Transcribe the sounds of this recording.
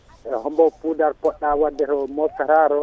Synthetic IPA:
ʔɛhɔmbɔpudaɾpɔɗːawadːɛɾɔmɔfɛɾaɾɔ

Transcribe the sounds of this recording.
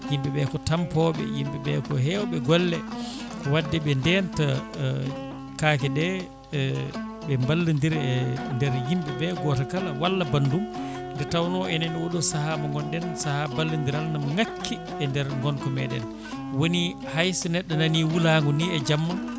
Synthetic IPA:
jimbɛɓɛkɔtampɔɓɛ̰jimɓɛɓɛkɔɦɛwɔɓɛɡɔlːɛ | kɔwadːɛɓɛndɛnta | kaːkɛdɛ | ɓɛmbalːind̪iɾɛndɛɾjimbɛbɛɡɔtakalawalːabandum | ndɛtawnɔʔɛnanwoɗɔsahamaŋɡɔndɛnsahabalːind̪iɾalnamŋakʰːi | ɛndɛɾŋɡɔnkɔmɛɗɛ̰n | woni | hajsɔnɛɗːananiwulaːŋɡuniɛd͡ʒamːan

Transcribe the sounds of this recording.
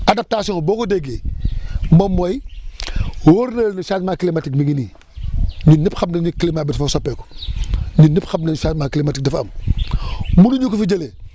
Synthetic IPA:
adap̚taːsiõŋboːkodeɡe | momːoj | woɾnɐːlniʃaːtmaːklimatikmiɡiniː | ninːipxabnenikilimabitfosopeːku̥ | ɲiːipxabnenʃaːtmaːkilimatik̚dɐfam | munuɲukufid͡ʒɐle

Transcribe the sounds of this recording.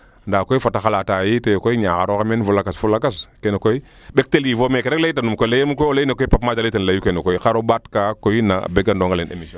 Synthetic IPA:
ndakoifataxalatajitejkoiɲaxaɾokamenfulakasfulakaskenkoi | ɓek̚telivomekeɾlaitanumkolajemukooleinekopapmad͡ʒalitenlajukenekoixaɾobatkakoina̰beɡandoŋɡalenḛmisɔ

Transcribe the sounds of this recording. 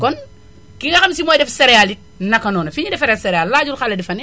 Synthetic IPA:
kɔn | kiŋɡɐxɐmsimɔːjdɛfsɛɾɛjalit̚nɐkːɐnɔːnɐfiɲidɛfɛɾɛsɛɾɛjalːaːd͡ʒulxalɐdɛfɐnɛ

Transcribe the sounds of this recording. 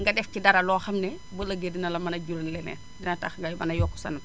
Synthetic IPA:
ŋɡɐdɛfcidɐɾɐlɔːxɐmnɛbəlɐɡedinɐlɐmɐnɐɟuɾɐlɛnɛ̰ | dinɐtaxŋɡɐjbɐnɐjɔkːu̥sɐ̰nɐ

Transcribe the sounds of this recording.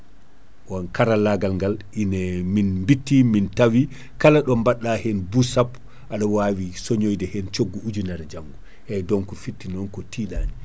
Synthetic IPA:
wankaɾalaɡalŋɡalʔinɛminmbitːimintawi | kalaɗɔmbaɗːahɛnbusapː | ʔaɗɔwawisoɲojdɛhɛnt͡ʃoɡːuʔud͡ʒunaɾd͡ʒaŋɡu | hɛjdɔnkɔfitːinɔnkɔtiːɗaːni

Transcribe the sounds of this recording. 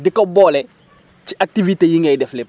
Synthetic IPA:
dikɔbɔːlɛ | ciʔak̚tivitejiŋɡɐjdɛflɛp

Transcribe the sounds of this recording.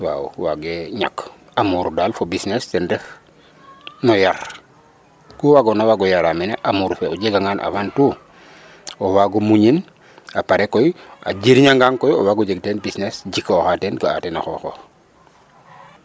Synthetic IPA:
wa̰ṵwaɡeɲa̰k | amuːɾdalfobisnestendef | nojaɾ | kuwaɡonawaɡojaɾamineʔamuɾfeuɟeɡaŋaːnʔa̰fantu | owaɡumuɲin | apaɾekːoja̰ɟiɾɲaŋɡaŋkojiowaɡuɟeɡ̚tenbisnesɟikːoxatenɡaa̰tena̰xo̰xox

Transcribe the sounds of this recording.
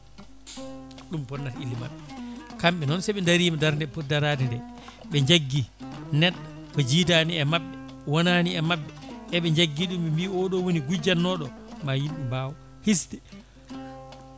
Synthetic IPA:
ɗumpɔnːaʔilːima̰nkamɓɛnɔnsɛɓɛndaɾiːmadaɾndɛpɔdaɾadindɛ | ɓɛɲd͡ʒaɡːinɛɗ | kɔd͡ʒitaniɛmaɓːɛ | wɔnaniɛmaɓːɛɛɓɛɲd͡ʒaɡːiɗumɓɛmbiɔɗɔwoniɡud͡ʒanːɔɗɔ | majimimbaw | hisdɛ

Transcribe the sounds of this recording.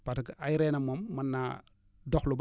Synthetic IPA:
patkajiɾenamomːanːa | doxlub

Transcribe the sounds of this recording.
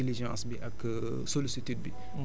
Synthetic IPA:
iliʒjɔ̃ʔɐsbiʔɐk | solisit̪yd̪̚bi

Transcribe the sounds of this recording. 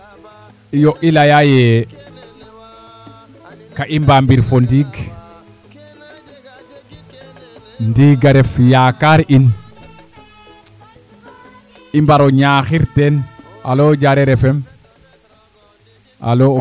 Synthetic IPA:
ijɔʔilajajɛ | kaʔimbambiɾfɔndiːɡ | ndiːɡaɾɛfjakaɾin | imbaɾɔɲaːxiɾtɛn | alɔd͡ʒaɾɛɾɛfɛm | a̰lɔ

